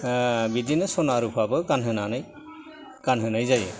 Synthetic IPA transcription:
bidinɯsɔnaɾupʰabɯɡanɦɯnanɯj | kanɦɯnajzajɯ

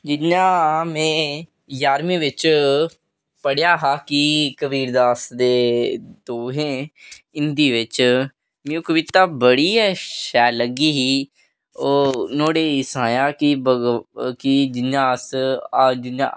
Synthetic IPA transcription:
d͡ʒɪɲãːmẽː | jaːɾmĩːʋɪt͡ʃ | pəɽjaːɦaːkikəbiːɾd̪aːsd̪eːd̪oːɦẽːɪnd̪iːʋɪt͡ʃ | mẽũːkəʋɪt̪aːbəɽiːɦɛːʃɛːləɡiːɦiː | oːnoːɽeːisãːjaːkɪbəkɪd͡ʒɪnãːs | d͡ʒɪã̰

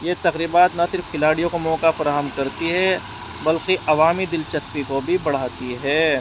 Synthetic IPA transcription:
jet̪ɐɾiːbaːt̪nɐsɪɾfkɪlaːɽijõkomɔːkafɐɾaːɦəmkɐɾt̪iɦɛ | bɐlkiʔɐʋaːmid̪ɪlt͡ʃɐspikobʱibɐɽ̤aːt̪iɦɛː

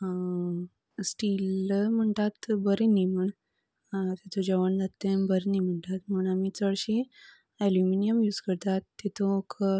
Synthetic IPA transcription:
sʈiːlm̤əɳt̪at̪bəɾiniməɳ | t̪et̪ʰod͡ʑəʋəɳd͡zat̪ːẽbəɾnim̤əɳʈ̪at̪m̤əɳamiːt͡səɭɕi | ɛluminijəmjuːd͡zkəɾt̪at̪ːet̪ok

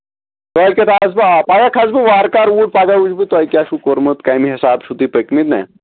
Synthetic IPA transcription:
t̪alkʲet̪asbapaɡakʰasbiʋaɾkaɾuʈ̚paɡaud͡ʒbit̪oalkiaɕukoɾmət̪kajmiɦɛsabʃud̪ipəkmit̪na̰j

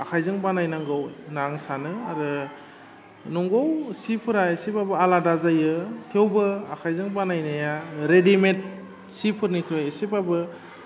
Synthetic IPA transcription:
akʰajzɯŋbanajnaŋɡɯwnaŋsanɯaɾɯ | nɔŋɡowsipʰɯɾaesipabɯaladazajɯtʰewbɯakʰajzɯŋbanajnajaɾedimet̚ | sipʰɯɾnikʰɯesipabɯ

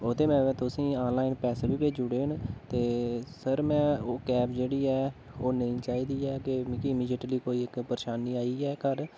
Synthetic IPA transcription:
ot̪eːmɛ̃ːɛ̃ːt̪ʊsĩːaːnlaːɪnpɛːseːbiːbeːd͡ʒʊɽeːnt̪eːsəɾmɛ̃ːoːkɛːpd͡ʒeːɽiːɛː | oːnəĩːt͡ʃaːiːd̪iːɛːkekiɪmiːd͡ʒiʈliːkoːiːɪkpəɾeːʃaːnːiːaːiːɛːkəɾ

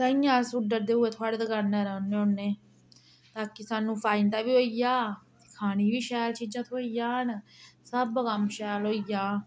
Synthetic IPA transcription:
səĩjãːsuɖəɾd̪eːʊeːt̪ʰoaːɽeːd̪əkaɾnẽːɾəːnːeːʊnːeː | t̪aːkisaːnũːpʰaːɪnt̪aːʋiːɦoːijaː | kʰaːniːʋiːʃɛːlt͡ʃiːd͡ʒãːt̪ʰoːijãːɦnsəbkəmʃɛːlɦoːijaː

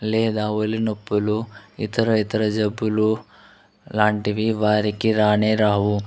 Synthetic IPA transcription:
leːd̪aːʋɐlinɐpːuluit̪ɐɾɐit̪ɐɾɐd͡ʒɐbulu | laːɳʈiʋiʋaːɾikiɾaːneɾaːʋu

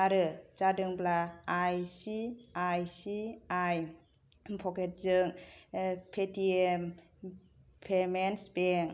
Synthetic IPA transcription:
aɾɯd͡ʒadɯŋblaːjsiajsiaj | pʰɔkʰet̚zɯŋ | pʰetʰiem | pʰemensbeŋ

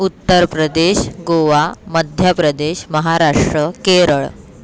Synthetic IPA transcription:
ut̪ːəɾpɾəd̪eɕɡoʋaməd̪ʱjəpɾəd̪eɕməɦaɾaʂʈɾəkeɾəɭ

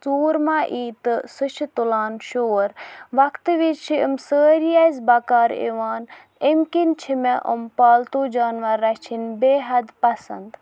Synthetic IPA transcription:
t͡suːɾmaːʔiːt̪ɨsut͡ʃʰit̪ulaːnʃoːɾʋɐkt̪ʋit͡ʃʰiəmsəːɾijazbakaːɾḛːʋaːn | emkint͡ʃʰimeʔə̰mpaːlt̪oːd͡ʒaːnʋɐɾːɐt͡ʃʰinbeːɦɐd̪pɐsɐ̰nd̪

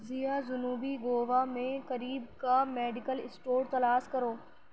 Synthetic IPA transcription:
zijazʊnuːbiɡoːʋamẽkɐɾiːbkameːɖɪkəlɪsʈoːɾt̪ɐlaːskɐɾoː

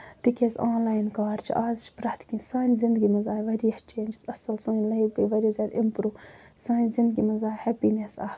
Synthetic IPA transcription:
t̪ikʲeːzaːnlaːjnkaːɾt͡ʃʰḭʔaːzt͡ʃʰi̥pɾɐht̪kĩnsaːnʲzɪnd̪ɡimɐzaːiʋɐɾiɐht͡ʃʰeːnd͡ʒzɐsɐlsɐ̃ːlɐibkɐʋɐɾizʲaːd̪ɪmpɾuː | saːnzɪnd̪̚ɡimɐzaːhɛpiːnesaː

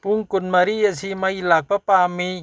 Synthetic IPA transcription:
puŋkunmaɾiasimailak̚papaːmi

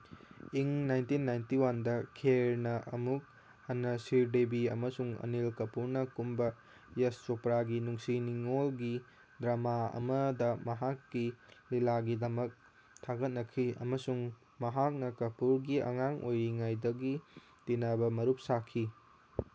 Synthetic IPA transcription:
iŋnajntinːajntiwandɐkʰeɾnɐʔɐ̰muk̚ | ɐnːɐsiɾdebiɐmɐsuŋɐ̰nilkɐpuɾnɐkumbɐ | jest͡ʃopɾaɡinuŋsiniŋolɡi | dɾamaɐ̰mɐdɐmɐɦakːililaɡidɐmɐk̚ | tʰaɡɐt̚nɐkʰiɐ̰mɐsuŋ | mɐɦak̚nɐkɐpuɾɡiɐ̰ŋaŋojɾiŋajdɐɡi | tinabɐmɐɾup̚sakʰi

